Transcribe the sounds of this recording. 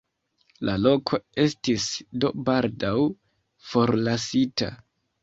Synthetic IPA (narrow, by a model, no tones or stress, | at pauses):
lʔalo̞kʰo̞e̞stisdo̞baldaw | fo̞ɾlasita̰